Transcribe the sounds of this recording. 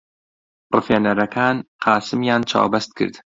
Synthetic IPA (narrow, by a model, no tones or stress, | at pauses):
rɨfeːnɐɾɐkʰaːnqʰɑːsɨmjaːnt͡ʃʰa̰ːwbɐst̪̚kʰɨ̰ɾd̪